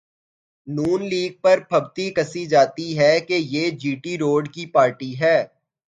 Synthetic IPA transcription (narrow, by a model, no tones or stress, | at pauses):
nuːnliːɡ̚pɐɾpʰɐbt̪ikɐsid͡ʒaːt̪iɦɛkejeːd͡ʒiːʈiɾoːɖkipaːɾʈiɦɛː